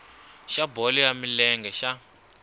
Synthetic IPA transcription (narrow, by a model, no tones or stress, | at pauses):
ʃabɔlijamilɛŋɡɛʃa